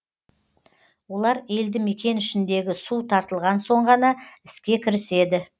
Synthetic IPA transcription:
wo̞lˠɑɾe̞ld̪ɪme̞kʲe̞nɪʃɪnd̪eɡʲɪsut̪ʰɑɾt̪əlˠʁɑnso̞ɴʁɑnɑɪ̥skʲe̞kʲʰɪɾɪse̞d̪ɪ

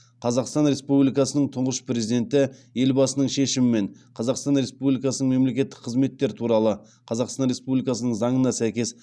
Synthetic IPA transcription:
qʰɑzɑqst̪ɑnɾe̞spublijkɑsənəɴt̪ʰʊɴʁəʃpɾe̞zid̪e̞nt̪ɪje̞lbɑsənəɴʃe̞ʃɪmɪme̞ɴqʰɑzɑqst̪ɑnɾe̞spublijkɑsənəɴŋme̞mle̞kʲe̞t̪ːɪk̚qʰəzme̞t̪ːe̞ɾɪt̪ʰuɾɑlˠə | qʰɑzɑqst̪ɑnɾe̞spublʲijkɑsənəɴzɑɴənɑsæjkʲe̞s

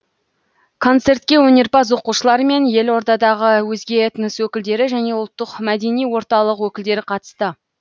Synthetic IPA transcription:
kʰo̞nt̪se̞rt̪kʲe̞wɵne̞ɾpɑs̬wo̞quʃəlˠɑɾəme̞nje̞lwo̞ɾd̪ɑd̪ɑʁəwɵzɡʲe̞t̪ənəswɵkʲɪld̪e̞ɾɪʒæne̞ʊlˠt̪ːəqmæd̪e̞nijwo̞ɾt̪ɑlˠəqwɵkʲɪld̪e̞ɾɪqʰɑt̪ə̥st̪ə

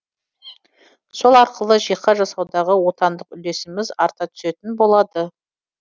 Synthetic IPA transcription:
so̞lˠɑɾqəlˠəʒijqːɑʒɑsɑwd̪ɑʁəwo̞t̪ɑnd̪əqʏle̞sɪmɪzɑɾt̪ɑt̪ʰʏ̥se̞t̪ɪnbo̞lˠɑd̪ə

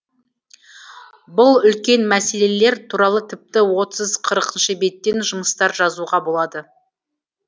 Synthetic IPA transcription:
bʊlˠʏlkʲe̞nmæse̞le̞le̞ɾt̪ʰuɾɑlˠət̪ʰɪp̚t̪ɪwo̞t̪əzqʰəɾəqənʃəbe̞t̪ːe̞nʒʊməst̪ɑɾʒɑzuʁɑbo̞lˠɑd̪ə

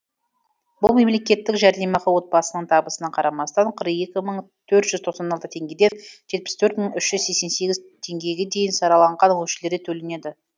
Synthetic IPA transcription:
bʊlˠme̞mle̞kʲe̞t̪ːɪkʒæɾd̪e̞mɑʁəwo̞t̪̚bɑsənəɴt̪ʰɑbəsənɑqʰɑɾɑmɑst̪ɑɴqʰəɾe̞kʲɪməɴ | t̪ʰɵɾt̪ʒ̥ʏzt̪ʰoqsɑnɑlˠt̪ət̪ʰe̞ŋɡʲe̞d̪e̞nʒ̥e̞t̪̚pɪ̥st̪ʰɵɾt̪məɴʏʃʒ̥ʏzse̞kse̞nse̞ɡʲɪzt̪ʰe̞ŋɡʲe̞ɡʲe̞d̪e̞jɪnsɑɾɑlˠɑɴʁɑnwɵʃɪle̞ɾd̪et̪ʰɵlɪne̞d̪ɪ

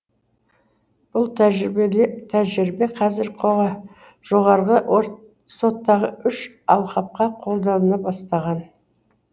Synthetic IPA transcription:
b̥ʊlˠ | t̪ʰæʒɪɾɪbe̞qʰɑzɪɾqʰoɑ | ʒ̥o̞ʁɑɾʁə | so̞t̪ːɑʁəʔʏʃ | ɑlˠqɑp̚qɑqʰo̞lˠd̪ɑw̪ənɑbɑst̪ɑʁɑn

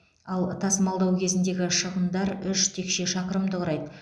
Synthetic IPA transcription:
ɑlˠt̪ʰɑsmɑlˠd̪ɑwkʲʰe̞zɪnd̪e̞ɡʲɪʃəʁənd̪ɑɾʏʃt̪ʰe̞kʃe̞ʃɑqəɾəmd̪əʁɾɑjd̪ə

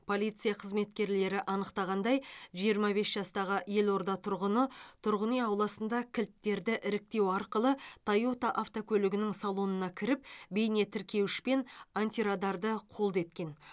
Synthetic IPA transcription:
pʰo̞lʲˠijt̪sɨijɑqʰəzme̞t̪kʲe̞ɾle̞ɾɪʔɑnəqt̪ɑʁɑnd̪ɑjʒijəɾmɑbe̞sʒɑst̪ɑʁəje̞lˠo̞ɾd̪ɑt̪ʰʊɾʁənət̪ʰʊɾʁənijɑwlˠɑsənd̪ɑkʲʰɪlt̪ːe̞ɾd̪ɪʔɪɾɪk̚t̪e̞wɑɾqəlˠət̪ʰɑjot̪ɑʔaft̪okʲʰɵlɪɡʲɪnɪŋsɑlˠo̞nənɑkʲʰɪɾɪp̚be̞jne̞t̪ʰɪɾkʲe̞wɪʃpe̞nant̪iɾad̪ɑɾd̪əqʰo̞lˠd̪e̞t̪kʲe̞n

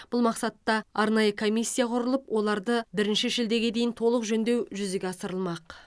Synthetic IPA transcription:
b̥ʊlˠmɑqsɑt̪ːɑɑɾnɑjəkʰo̞mijsʲːijaqʰʊɾəlˠəpwʔo̞lˠɑɾd̪əbɪɾɪnʃɪʃeld̪e̞ɡʲe̞d̪e̞jɪnt̪ʰo̞lˠəqʒɵnd̪e̞wʒʏzeɡʲeɑsəɾəlˠmɑq

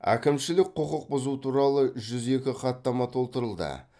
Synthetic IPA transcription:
æ̰kʲɪmʃɪlɪk̚ʲqʰoqəq̚bʊzut̪ʰuɾɑlˠəʒʏze̞kʲɪqɑt̪ːɑmɑt̪ʰo̞lˠt̪əɾəlˠd̪ə̰

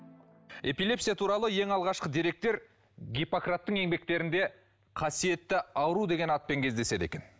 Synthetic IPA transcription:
e̞pilʲe̞psijat̪ʰuɾɑlˠəje̞ŋɑlˠʁɑʃqəd̪eɾe̞k̚t̪e̞ɾ | ɡʲipokrat̪ːəŋe̞ŋbe̞k̚t̪e̞ɾɪnd̪e̞ | qʰɑsije̞t̪ːɪɑwəɾud̪e̞ɡʲe̞nɑt̪̚pe̞ŋkʲʰe̞zd̪ese̞d̪e̞̰kʲe̞n

